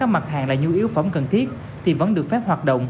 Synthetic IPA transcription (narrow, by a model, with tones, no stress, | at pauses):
aː˦˥k̚ma˨˩t̚ɦaː˨˩ŋlaː˨˩ɲu˧ʔi˨˦əwfə˧˦wŋ͡mkə˨˩nt̪ʰi˦˥ət̚ | t̪ʰi˨˩və̰˧˥nɗɨ˨˩ək̚fɛ˦˥p̚hwaː˨˩t̚ɗə̰˧˨wŋ͡m